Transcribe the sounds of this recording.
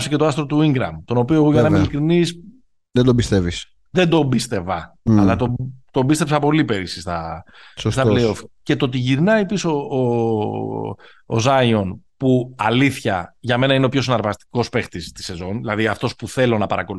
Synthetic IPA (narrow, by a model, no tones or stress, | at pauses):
sece̞t̪oɐst̪ɾot̪uiŋɡɾɐ̰mt̪o̞no̞pio̞eɣoʝɐnɐmilikɾinis | ðend̪obist̪evis | ðe̞nd̪o̞bist̪e̞vɐɐlɐt̪ot̪o̞bist̪e̞psɐpo̞lipe̞ɾisist̪ɐssst̪ɐplejo̞fce̞t̪o̞t̪̬iʝiɾnɐjpisoː | o̰zɐjo̞npuɐliθçɐʝɐme̞nɐineo̞pço̞sinɐɾvɐst̪i̥ko̞spe̞xt̪ist̪i̥se̞zo̞nðilɐðiɐft̪o̞spuθe̞lo̞nɐpɐɾɐko̞lu